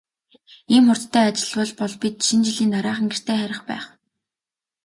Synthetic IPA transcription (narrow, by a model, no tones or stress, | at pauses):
iːmχʊr̥t̪t̪ʰːæːat͡ɕɪ̆ɮpʊɮpɔɮpʲit̪ʃint͡ɕiɮiːnaɾaːχə̆ŋɡer̥t̪ʰeːχæɾʲɪ̆χpæ̰ːχ